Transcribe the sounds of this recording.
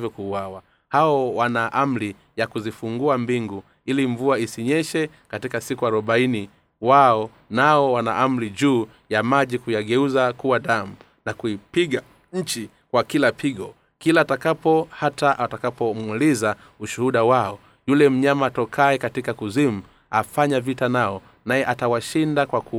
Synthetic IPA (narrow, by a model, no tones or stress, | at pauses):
vjɔkuːwawa | haɔwanaʔam̩ɾi | jakuzifuŋɡuambiŋɡu | iliɱvuaisiɲɛʃɛ | katikasikuaɾɔɓaini | waɔ | naɔwana̰ʔam̩ɾiʄuː | jamaʄikujaɡɛuzakuwaɗamu | nakuipiɠa | ɲ̩t͡ʃi | kwakilapʰiɠɔ | kilaːtakapɔhataʔatakapɔmuliza | uʃuhuɗawaɔ | julɛm̩ɲamaːtɔkʰaɛkatikakuzim̩ | afaɲavitanaɔ | najɛʔatawaʃindakwaku